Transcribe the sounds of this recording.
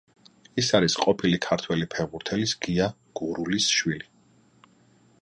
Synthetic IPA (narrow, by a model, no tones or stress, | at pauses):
isaɾisqʼɔpʰilikʰaɾt̪ʰwɛlipʰɛʁbuɾt̪ʰɛlisɡ̥ia | ɡ̥uɾulisʃwili